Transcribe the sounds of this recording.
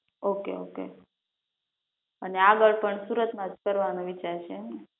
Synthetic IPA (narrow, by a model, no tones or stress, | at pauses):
okḛokḛ | əneaɡəɭpəɳsuɾət̪mãt̪kəɾʋanoʋit͡ʃaɾʃʰeːne